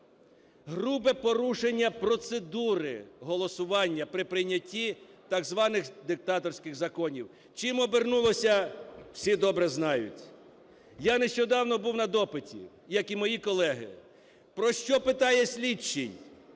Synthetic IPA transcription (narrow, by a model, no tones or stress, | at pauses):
ɦɾubɛpɔɾuʃenʲːɐpɾɔt̪sed̪uɾɪ̰ɦɔlˠɔsʊʋɑnʲːɐpɾɪpɾɪnʲːɐtʲːit̪ɑɡzʋɑnɪxd̪ɪk̚t̪ɑt̪ɔɾsʲkɪɣzɐkɔnʲiw | t͡ʃɪjmɔbernulˠɔsʲɐw̥sʲid̪ɔbɾɛznɑjʊ̰tʲ | janeʃt͡ʃɔd̪ɑwnɔbuwnɐd̪ɔpɪtʲḭ | jɐkimɔjikɔlˠɛɦɪ̰ | pɾɔʃt͡ʃɔpɪt̪ɑjɛsʲlʲit͡ʃːɪnʲ